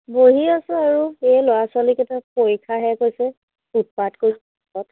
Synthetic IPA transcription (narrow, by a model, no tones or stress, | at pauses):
boɦiasɛaɹuɛlɔwaswalikɛtapojkʰaɦɛkojsɛ | ut̚patkojsɛ | kɔt